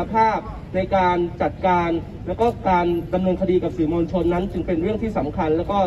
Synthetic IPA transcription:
pʰaː˥˩p̚ | na˧jkaː˧nt͡ɕa˨˩t̪̚kaː˧n | lɛː˦˥wkɔː˥˩kaː˧nda˧mnɤː˧nkʰa˧diː˧ka˨˩p̚siː˩˦moː˧nt͡ɕʰo˧nːa˦˥nt͡ɕɯ˧ŋpe˧nɾɯ˥˩əŋt̪ʰiː˥˩sa˩˦mkʰa˧nlɛː˦˥wkɔː˥˩

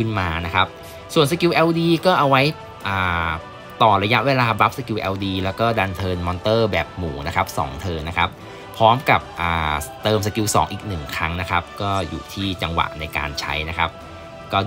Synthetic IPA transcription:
ɯ˥˩nmaː˧na˦˥kʰa˦˥p̚ | su˨˩ənsa˧ki˧wʔɛ˧wdiː˧kɔː˥˩ʔa˧wa˦˥j | ʔaː˨˩ | t̪ɔː˨˩ɾa˧ja˦˥ʔweː˧laː˧ba˦˥p̚sa˧ki˧wʔɛː˧wdiː˧lɛː˦˥wkɔː˥˩da˧nt̪ʰɤː˧nmɔː˧nt̪ɤː˥˩bɛː˨˩p̚muː˩˦na˦˥kʰa˦˥p̚sɔ̰ː˩˦ŋt̪ʰɤː˧mna˦˥kʰa˦˥p̚ | pʰːɔː˦˥mka˨˩p̚ʔaː˨˩t̪ɤː˧msa˧ki˧wsɔ̰ː˩˦ŋʔḭː˨˩k̚nɯ˨˩ŋkʰɾa˦˥ŋna˦˥kʰa˦˥p̚kɔː˥˩jṵː˨˩t̪ʰiː˥˩t͡ɕa˧ŋwa̰˨˩ʔna˧jka̰ː˧nt͡ɕʰa̰˦˥jna˦˥kʰa˦˥p̚ | kɔː˥˩

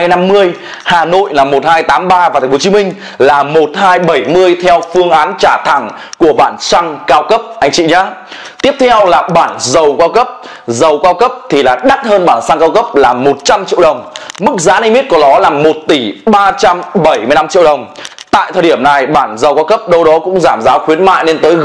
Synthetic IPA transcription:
jna˧mːɨ˧əj | haː˨˩no̰˧˨jlaː˨˩mo˨˩t̚haː˧jt̪aː˨˦mɓaː˧vaː˨t̪ʰa˨˩ŋ̟fʰo˦t͡ɕi˨˦mï˧ŋ̟ | laː˨˩mo˨˩t̚haː˧jɓə˧˩jmɨ˧əjt̪ʰɛ˧wfɨ˧əŋʔaː˨˦nt͡ɕaː˧˩t̪ʰa˧˩ŋ | ku˧˩əɓaː˧˩nsa˧ŋkaː˧wkə˦˥p̚ʔa˧jŋ̟t͡ɕḭ˧˨ɲa̰ː˧˥ | t̪i˦˥əp̚t̪ʰɛ˧wlaː˨˩ɓaː˧˩nzə˨˩wkaː˧wkə˦˥p̚ | zə˨˩wkaː˧wkə˦˥p̚t̪ʰi˨˩laː˨˩ɗa˦˥t̚həː˧nɓaː˧˩nsa˧ŋkaː˧wkə˦˥p̚laː˨˩mo˨˩t̚t͡ɕa˧mt͡ɕḭ˧ə˨wɗə˨˩wŋ͡mmɨ˦˥k̚za̰ː˧˥ni˧mi˦˥t̚kɔ˨˦ɗɔ˨˦laː˨˩mo˨˩t̚t̪i˧˩ɓaː˧t͡ɕa˧mɓə˧˩jmɨ˧jna˧mt͡ɕḭ˧əwɗə˨˩wŋ͡m | t̪a̰ː˧˨jt̪ʰəː˨˩jɗi˧˩əmna˨˩jɓaː˧˩nzə˨˩wkaː˧wkə˦˥p̚ɗə˧wɗɔ˨˦kʊ̰˧˥ŋ͡mzaː˧˩mzaː˨˦wxwi˨˦ənma̰ː˧˨jne˧nt̪əː˨˦j

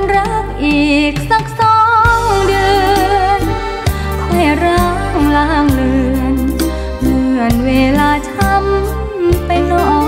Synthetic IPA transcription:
nɾa˦˥p̚ʔiː˨˩k̚sa˧˩k̚sɔː˧˥ŋdɯː˧n | ha˧˩ɾa˧˥˨ | ŋlaː˧˥˩ŋlɯ˧˩ən | mɯ˧˩ənweː˧laː˧t̪ʰa˧˥m | pa˧jnɔ˧˩

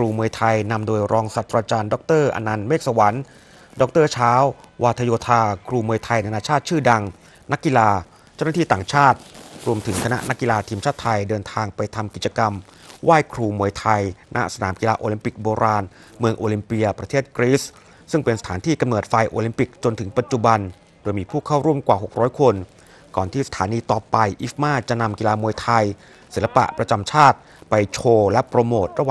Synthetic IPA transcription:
kʰɾuː˧mu˧əjt̪ʰa˧jna˧mdoː˧jɾʔɔː˧ŋsa˨˩t̪ːɾaː˧t͡ɕaː˧ndɔ˧˦˥k̚t̪ɤː˥˩ʔa̰˧na˧nmeː˥˩k̚sa˧wa˩˦˥n | dɔ˧˦˥k̚t̪ɤː˥˩t͡ɕʰaː˦˥wwʔaː˧t̪ʰa˧joː˧t̪ʰaː˧kʰɾuː˧mu˧əjt̪ʰa˧jna˧naː˧t͡ɕʰaː˥˩t̪̚t͡ɕʰɯː˥˩da˧ŋ | na˦˥kːi˧laː˧ | t͡ɕa˥˩na˥t̪ʰiː˥˩t̪aː˨˩ŋt͡ɕʰaː˥˩t̪̚ɾu˧əmt̪ʰɯ˩˦ŋkʰa˧na̰˦˥ʔna˦˥kːi˧laː˧t̪ʰiː˧mt͡ɕʰaː˥˩t̪ʰːa˧jdɤː˧nt̪ʰaː˧ŋpa˧jt̪ʰa˧mki˨˩t͡ɕa˧ka˧m | waː˥˩jkʰɾuː˧mu˧˩əjt̪ʰa˧jnʔa̰˦˥ʔsa˧naː˩˦mki˧laː˧ʔoː˧li˧mpi˨˩k̚boː˧ɾaː˧n | mɯ˧əŋʔoː˧li˧mpi˧ɐpɾa˧eː˥˩t̪̚kɾiː˦˥s | sɯ˥˩ŋpe˧nsa˧t̪ʰaː˩˦nt̪ʰiː˥˩ka˧mnoː˨˩t̪̚fa˧jʔoː˧li˧mpi˨˩k̚t͡ɕo˧nt̪ʰɯ˩˦ŋpa˨˩t̪̚t͡ɕu˨˩ba˧n | doː˧jmiː˧pʰuː˥˩kʰaː˥˩wɾuː˥˩əmkwaː˨˩ɦo˨˩k̚ɾɔː˦˥jkʰo˧n | kɔː˨˩nt̪ʰiː˥˩sḁ˧t̪ʰaː˩˦niː˧t̪ɔː˨˩pa˧jʔi˦˥fmaː˥˩t͡ɕa˨˩ʔna˧mki˧laː˧mu˧əjt̪ʰa˧j | si˩˦la˧pa̰˨˩ʔpɾa˧t͡ɕa˧mt͡ɕʰaː˥˩t̪̚ | pa˧jt͡ɕʰoː˧lɛ˦˥pɾa˧moː˨˩t̪̚ɾa˧waː˨

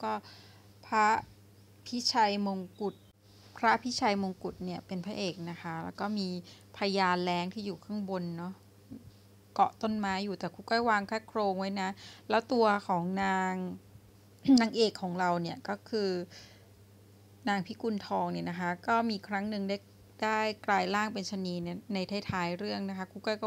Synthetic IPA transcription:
kɔː˥˩ | pʰɾa˦˥ | pʰi˦˥t͡ɕʰa˧jmo˧ŋku˨˩t̪̚ | pʰɾa˦˥ʔpʰi˦˥t͡ɕʰa˧jmo˧ŋku˨˩t̪̚ni˥˩ɐpe˧npʰa˦˥ʔeː˨˩k̚na˦˥kʰa˦˥lɛː˦˥wkɔː˥˩miː˧ | pʰa˧jaː˧nlɛː˦˥ŋt̪ʰiː˥˩juː˨˩kʰɯ˥˩ŋbo˧nːɔ˦˥ | kɔ˨˩t̪o˥˩nmaː˦˥juː˨˩t̪ɛː˨˩kʰuː˧˩kɔː˥˩jwaː˧ŋkʰaː˥˩kʰɾoː˧ŋwa˦˥jna˦˥lɛː˦˥wt̪u˧ɐkʰɔː˩˦ŋnaː˧ŋ | naː˧ŋʔeː˨˩kʰːɔː˩˦ŋɾa˧wni˥˩ɐkɔː˥˩kʰɯː˧ | naː˧ŋpʰi˦˥ku˧nt̪ʰɔː˧ŋni˥˩na˦kʰa˦˥kɔː˥˩miː˧kʰɾa˦˥ŋnɯ˨˩ŋdaː˥˩j | daː˥˩jklaː˧jlaː˥˩ŋpe˧nt͡ɕʰa˧niː˧˥n˥˩na˧jt̪ʰa˥˩jt̪ʰaː˨˦˥jɾɯ˥˩əŋna˦˥kʰa˦˥kʰuː˧˩kɔ˥˩jkɔː˥˩

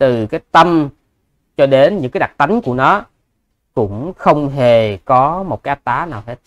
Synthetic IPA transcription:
t̪ɨ˨˩kaː˨˦jt̪ə˧m | t͡ɕɔ˧ɗe˨˦nɲɨ̰˧˥ŋkaː˨˦jɗa˨˩k̚t̪a˨˦jŋ̟ku˧˩ənɔ˨˦ | kʊ̰˧˥ŋ͡mxə˧wŋ͡mɦe˨˩kɔ˨˦mo˨˩t̚kaː˨˦jʔa˦˥t̚t̪aː˨˦naː˨˩wɦe˦˥t̚

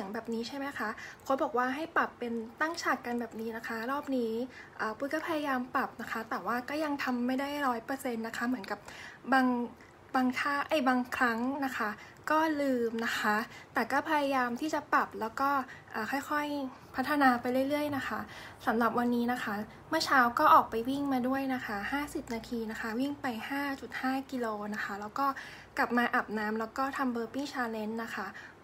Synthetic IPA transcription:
si˨˩˦ə˦ŋbɛː˨˩p̚niː˦˥t͡ɕʰa˥˩jma˦˥jkʰa˦˥kʰo˦˥bɔː˨˩k̚waː˥˩ɦa˥˩jpa˨˩pːe˧nt̪a˥˩ŋt͡ɕʰa˨˩kka˧nbɛː˨˩p̚niː˦˥na˦˥kʰa˦˥ɾɔː˥˩p̚niː˦˥ʔaː˨˩u˦˥kɔː˥˩pʰa˧ja˧jaː˧mpa˨˩p̚na˦˥kʰa˦˥t̪ɛː˨˩waː˥˩kɔː˥˩ja˧ŋt̪ʰa˧mːa˥˩jda˥˩jɾɔː˦˥jpɤː˧se˧nːa˦˥kʰa˦˥mɯ˩˦nka˨˩p̚baː˧ŋ | baː˧ŋt̪ʰaː˥˩ʔa˨˩jbaː˧ŋkʰɾa˦˥ŋna˦˥kʰa˦˥ | kɔː˥˩lɯː˧mna˦˥kʰa˦˥t̪ɛː˨˩kɔː˥˩pʰa˧ja˧jaː˧mt̪ʰiː˥˩t͡ɕa˨˩pa˨˩p̚lɛː˦˥wkɔː˥˩ʔaː˨˩xʰɔ˥˩jxʰɔ˥˩j | pʰa˦˥t̪ʰːa˧naː˧pa˧jɾɯ˥˩əjlɯ˥˩əjna˦˥kʰa˦˥sa˩˦mɾa˨˩p̚wa˧nːiː˦˥na˦˥kʰa˦˥ | mɯ˥˩ɐt͡ɕʰaː˦˥wkɔː˥˩ʔɔː˨˩k̚pa˧jwi˥˩ŋmaː˧du˥˩əjna˦˥kʰa˦˥haː˥˩si˨˩p̚naː˧t̪ʰiː˧na˦˥kʰa˦˥wi˥˩ŋpa˧jhaː˥˩t͡ɕu˨˩t̪̚haː˥˩ki˧loː˧na˦˥xʰa˦˥lɛː˦˥wkɔː˥˩ | kla˨˩p̚maː˧ʔa˨˩p̚naː˦˥mlɛː˦˥wkɔː˥˩t̪ʰa˧mbɤː˧piː˥˩t͡ɕʰaː˧le˦˥nːa˦˥kʰa˦˥

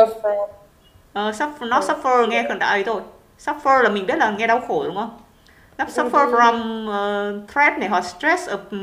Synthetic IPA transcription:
ʔəː˨˩sa˦˥p̚nɔ˦˥sɔ˦˥p̚fəː˧ŋɛ˧xɨ˧˩nɗ̪a̰ː˧˩ʔə˨˦jt̪ʰo˧j | sa˦˥p̚fəː˧laː˨˩mï˨˩ŋ̟ɓi˦˥ət̚laː˨˩ŋɛ˧ɗa˧wxo˧˩ɗʊ˨˦ŋ͡mʔə˧wŋ͡m | nɔ˦˥sɔ˦˥p̚fəː˧ɹa˧mʔəː˨˩t̪ʰɹɛ˦˥p̚na˨˩ɦɔ̰˨˩st̪ɹɛ˦˥sʔəː˧˩

